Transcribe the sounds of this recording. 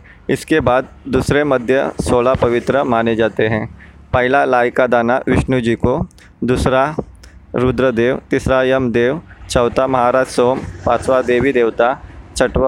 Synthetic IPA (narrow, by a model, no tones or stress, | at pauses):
ɪskebaːd̪̚d̪uːsɾemɐd̪ʱjə̰soːlapɐʋɪt̪ɾəmaːned͡ʒaːt̪eɦɛ̃ː | pɐɦɪlalaːɪkad̪aːnaʋɪʃnud͡ʒiːko | d̪uːsɾa | ɾud̪ɾəd̪eːʋt̪ɪsɾaːjəmd̪eːʋt͡ʃɐːt̪amɐɦaːɾaːd͡ʒsoːmpaːsʋad̪eːʋid̪eːʋt̪at͡ʃʰɐʈ